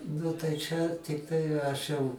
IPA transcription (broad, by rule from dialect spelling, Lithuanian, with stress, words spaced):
ˈnʊ tɐɪ t͡ʃʲɛ tʲɪkˈtɐɪ ɐʃ jɛʊ